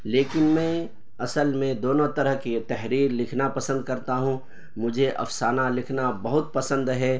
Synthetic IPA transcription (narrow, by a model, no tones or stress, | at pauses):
leːkɪnmɛ̃ː | ɐsəlmẽd̪oːnõt̪ɐɾəɦket̪ɛɦɾiːɾlɪkʰnapɐsə̃nd̪̚kɐɾt̪aɦũ | mʊd͡ʒʱeʔɐ̰fsaːnalɪkʰnabɐɦʊt̪̚pɐsə̃nd̪ɦɛː